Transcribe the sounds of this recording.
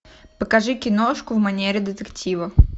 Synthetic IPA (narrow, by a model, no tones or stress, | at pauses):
pəkɐʐɨkʲɪnoʂkʊvmɐnʲeɾʲɪd̪ɨt̪ɨktʲivɐ